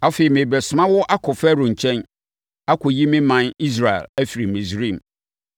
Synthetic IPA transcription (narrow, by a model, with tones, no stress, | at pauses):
a˦fe˨i˨mẽ˨bɛ˨sʊ˨mã˦wʊ˦ʔa˦kʰʊ˨fɛ˦ɾõ˨ɲ̩˨t͡ɕʰɛ̃˦n | a˦kʰʊ˨ji˦mɪ̃˦mã˨ni˦s̬ɾa˨ḛ˨læ˦fi˨ɾi˨mĩ˨sɾĩ˦˨m